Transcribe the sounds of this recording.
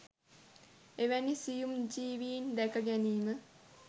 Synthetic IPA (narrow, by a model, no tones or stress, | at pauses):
eʋænisijumd͡ʒiːʋiːnd̪ækɐɡæniːmə